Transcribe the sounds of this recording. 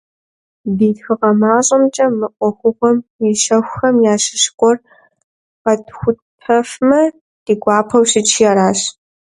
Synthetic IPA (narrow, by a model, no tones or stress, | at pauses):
biːtxɨqɐmaːɕʼɐmt͡ʃʼɐmɨʔʷʼɔxʷʊxʷɔmjiɕɐxʷxɐmjaːɕɪɕkʷʼɔr | qɐtxʷʊt | pʰɐfmɐ | d̥iːɡʷɑːpʰɐwɕɪt͡ʃʰijaɾaːɕ